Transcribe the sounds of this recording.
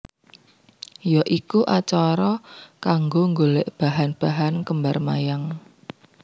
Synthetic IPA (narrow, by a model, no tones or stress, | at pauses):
jɔʔikuʔat͡ʃɔɾɔkaŋɡoŋɡolɪʔb̥a̤ɦanb̥a̤ɦankəmbarmajaŋ